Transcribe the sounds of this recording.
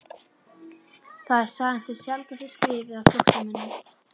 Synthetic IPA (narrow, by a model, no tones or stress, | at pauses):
θaðɛɾ̥saːɣansɛðsjalt̪asɪskɾɪːvɪawfloht̪amɛnːɪm